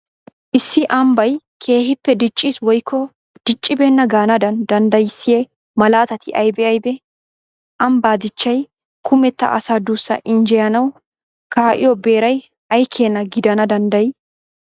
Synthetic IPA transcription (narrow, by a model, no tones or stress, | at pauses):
ʔɪsːɪʔɐmbɐj | kʰe̞ːhɪpːɛd̪ɪt͡ʃʼːiːswɔjkʰːɔ | d̪̥ɪt͡ʃʼːɪbeːnːɐɡaːnɐd̪ɐnd̪ɐnd̪ɐjɪsːɪjɛ | mɐlaːt̪ɐt̪ɪʔɐjbɛɐjbɛ | ʔɐmbaːd̪ɪt͡ʃːɐj | kʊmɛt̪ːɐ̰ʔɐsad̪uːsːɐ̰ʔɪnd͡ʒɛjɐnɐw | kʰaːʔɪ̰jɔbe̞ːɾɐj | ʔɐjkʰːeːnːɐɡɪd̪ɐnɐd̪ɐnd̪ɐj